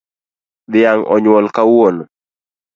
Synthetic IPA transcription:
d̪ɪjaŋɔ̰ɲwɔlkawon

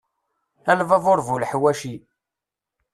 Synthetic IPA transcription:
ælvævʊɾˤvulħwæʃi

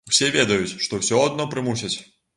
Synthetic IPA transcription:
wsʲevʲɛd̪ɐjut͡sʲʂt̪ɔwsʲɔɐd̪̚nɔpɾɨmus̬ʲɐt͡sʲ

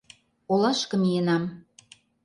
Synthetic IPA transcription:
olɑʃkə̆mijənɑm

